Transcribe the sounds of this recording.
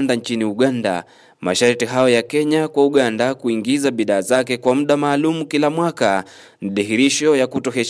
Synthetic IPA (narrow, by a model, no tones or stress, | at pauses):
ndant͡ʃiniuɠanda̰ | ma̰ʃaɾtiɦaɔjakɛɲakwauɠandakuiŋɡizaɓiðaːzakɛkwamuɗamaːlumukilamwaka | n̩ɗiɦiɾiʃɔjakutɔɦɛ